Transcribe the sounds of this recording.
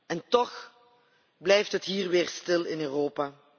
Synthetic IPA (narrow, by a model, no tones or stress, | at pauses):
ɛntɔx | blɛjftɦətɦiːrʋɪːɹstɪlˠɪnøːroːpaː